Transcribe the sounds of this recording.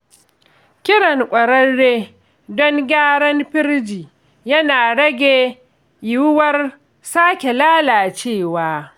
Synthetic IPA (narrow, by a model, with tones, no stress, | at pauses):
kʲɪ˦ɽɐ˨ŋkʷʼɐ˨ɾɐ˦ɽːeː˦ | dɔ˦ŋɡʲaː˦ɽɐ˦mɸɪ˦rd͡ʒiː˨ | jɐ˦naː˨ɽɐ˦ɡʲe˨ | jɪ˦wwɐ˦r | saː˦kʲe˨laː˦laː˨t͡ʃeː˦˨waː˦